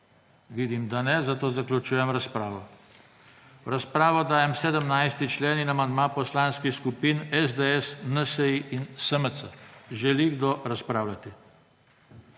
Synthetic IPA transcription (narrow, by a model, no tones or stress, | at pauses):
ʋiːd̪imd̪anɛzat̪oːzaklʲut͡ʃuːjɛmɾaspɾaːʋɔ | ɾaspɾaːʋɔd̪aːjɛmsɛd̪əmnajst̪it͡ʃleːninamand̪maːpɔslaːnskixskupiːnɛzd̪eɛsnəsəiʔinsəməsəʒɛliɡd̪oɾaspɾaːwlat̪i